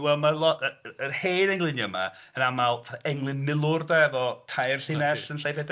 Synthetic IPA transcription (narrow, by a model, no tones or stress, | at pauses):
wɛlˠmalˠɔtəənheːnɛŋlˠɪnjəma̰ | ənamalˠɛŋlˠɨnmɪlˠʊrdaɛðɔtʰajrɬɪnɛsənɬajvɛd